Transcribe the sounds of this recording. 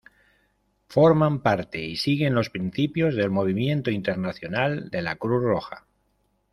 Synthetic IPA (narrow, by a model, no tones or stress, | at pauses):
fo̞ɾmampaɾt̪e̞isiɣ̞e̞nlo̞spɾinθipjo̞zð̞e̞lmo̞β̞imjẽ̞nt̪oint̪e̞ɾnaθjo̞nald̪e̞lakɾuθro̞xa̰